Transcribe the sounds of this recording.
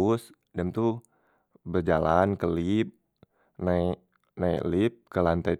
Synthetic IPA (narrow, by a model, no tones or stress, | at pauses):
s | damt̪u | bərd͡ʒalankəlip̚ | naik | naḭklip̚kəlant̪a